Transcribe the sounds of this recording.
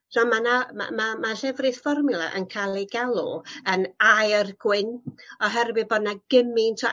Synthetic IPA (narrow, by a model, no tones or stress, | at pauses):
rɔmanama̰mamaɬɛvrɨθfɔrmɨlˠa̰ʔənkʰalˠiɡalˠʊ̰ənajrɡ̥wɪnɔɦɛrbɨð̚bɔdnaɡ̥əmɪntʰɔ